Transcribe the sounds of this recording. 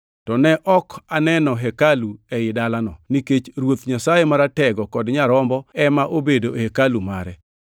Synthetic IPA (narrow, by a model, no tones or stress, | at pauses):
tɔnɛʔɔkanɛnɔɦɛkaluɛɪdalanɔ̰niket͡ʃɾwot̪ɲasajemaɾatɛɡɔkɔdɲaɾɔmbɔɛmaʔobedohekaluma̰ɾɛ